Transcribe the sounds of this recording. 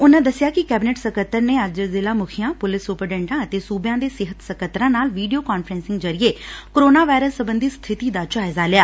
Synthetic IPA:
ʊnãːd̪əsɪjaːkɪkɛːbɪneːʈsəkət̪ːəɾneːəd͡ʒd͡ʒəlzɪlãːmʊkʰɪjãːpʊlɪsʊpəɖɛ̃ːɳʈãːət̪eːsuːbjãːd̪eːsɪɦət̪səkət̪ːɾãːnaːlʋiːɖijoːkaːnfɾɛ̃nsɪŋɡd͡ʒəɾɪeːkoɾoːnaːʋaːjɾəsːəbənd̪ist̪ʰɪt̪iːd̪aːt͡ʃaːzaːlɪjaː

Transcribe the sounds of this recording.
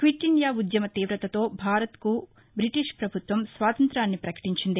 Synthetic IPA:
kʋiʈiɳjaːud̪jɐmɐt̪iːʋɾɐt̪ɐt̪o̞ːbʱaːɾɐt̪ku | bɾiʈiʂpɾɐbʱut̪ʋɐmsʋaːt̪ɐnt̪ɾaːnːipɾɐkɐ̥ʈiɲt͡ʃind̪i

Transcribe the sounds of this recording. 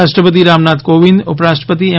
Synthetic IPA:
aʃʈɾəpət̪iɾamnat̪koʋind̪ʊpɾaʃʈəpət̪ie

